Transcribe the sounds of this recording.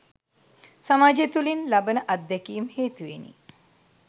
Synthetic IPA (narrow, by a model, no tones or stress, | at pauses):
samaːd͡ʒet̪ulinlabənəʔɐd̪ːɛkijmheːt̪uʋenḭ